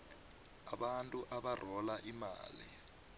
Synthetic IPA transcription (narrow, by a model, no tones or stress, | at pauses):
aɓantʼuʔaɓar̤ɔlaʔima̰ːlḭ